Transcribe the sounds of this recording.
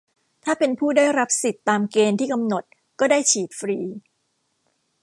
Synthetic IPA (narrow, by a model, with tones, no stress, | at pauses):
t̪ʰaː˥˩pe˧npʰuː˥˩daː˥˩jɾa˦˥p̚si˨˩t̪ːaː˧mkeː˧nt̪ʰiː˥˩ka˧mno˨˩t̪̚ | kɔː˥˩daː˥˩jt͡ɕʰiː˨˩t̪̚fɾiː˧